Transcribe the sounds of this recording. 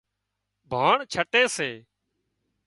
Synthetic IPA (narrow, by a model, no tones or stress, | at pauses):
bʱaːɳt͡ʃʰəʈeːseː